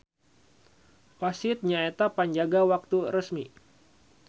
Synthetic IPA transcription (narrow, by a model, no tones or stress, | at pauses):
pasit̪̚ɲaet̪apaɲd͡ʒaɡawak̚t̪uɾəsmi